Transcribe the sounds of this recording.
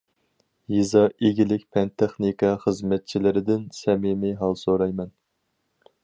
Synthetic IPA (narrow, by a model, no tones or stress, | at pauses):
jizɑeɡʲilɪkʲpʰɛnt̪ʰeχnikɑχəzmɛt̪̚t͡ʃʰilɪɾɪd̪ɪnsɛmɪmɪɦɑlˠsoɾɑjmɛn